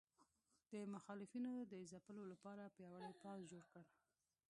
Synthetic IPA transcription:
d̪̥əmaxɑlɪfinod̪əzapəlolapɑɾapjɑwaɽepɑsd͡ʒoɽkəɽ

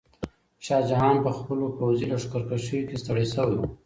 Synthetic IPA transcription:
ʃɑd͡ʒaɦɑnpəxpəlopawzilaʂkaɾkaʃəwikest̪aɽajsəwa

